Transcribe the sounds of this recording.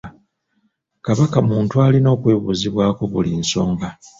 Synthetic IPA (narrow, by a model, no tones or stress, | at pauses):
kaβakamuːntualino̞ːkwe̞ːβuziβwaːko̞βulinso̞ːŋɡa